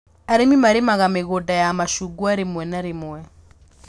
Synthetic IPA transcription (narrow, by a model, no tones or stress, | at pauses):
aɾemimaɾemaɣameɣodajamaʃuɡwaɾemwɛnaɾemʊɛ